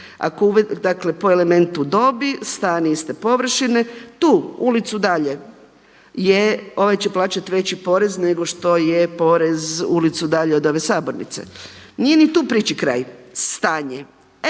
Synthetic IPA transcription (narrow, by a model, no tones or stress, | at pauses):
a̰kouʋed̪akle̞po̞eleme̞nt̪ud̪o̞bist̪aːniist̪epo̞ʋr̩ʃinet̪uːulit̪sud̪aʎe̞ | jeo̞ʋajt͡ɕeplˠaːt͡ɕat̪iʋe̞t͡ɕipo̞ːɾe̞zne̞ɡo̞ʃt̪o̞jepo̞ɾe̞zulit̪sud̪aʎeo̞d̪o̞ʋe̞saːbo̞ɾnḭt̪sḛnije̞nit̪uːpɾiːt͡ɕikɾa̰ːjst̪aːɲe